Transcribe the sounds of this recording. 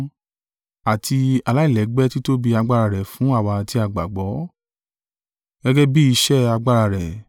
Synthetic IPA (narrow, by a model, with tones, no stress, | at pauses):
a˨tʰi˧a˧la˦i˦˨lɛ˨˦ɡ͡bɛ˦ti˦to˦bi˧a˧ɡ͡ba˦ɾa˧ɾɛ˨fũ˨˦a˦˨wa˧ti˧˦a˦˨ɡ͡ba̰˨ɡ͡bɔ˨˦ | ɡ̥ɛ˦ɡɛ˦bi˦i˧ʃɛ˦a˧ɡ͡ba˦˧ɾa˧ɾɛ˨